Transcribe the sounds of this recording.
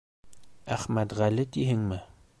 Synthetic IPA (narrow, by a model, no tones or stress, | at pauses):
æχmæt̪ʁælɘt̪iɦɘŋmɘ